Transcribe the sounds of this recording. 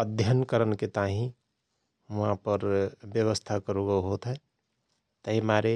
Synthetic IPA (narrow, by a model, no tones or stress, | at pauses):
əd̪ʱjənkəɾənket̪aɦĩ | ʋuɦãpəɾbjəβəst̪ʰakəɾoɡaɦot̪ɦɛ | t̪əɦimaɾe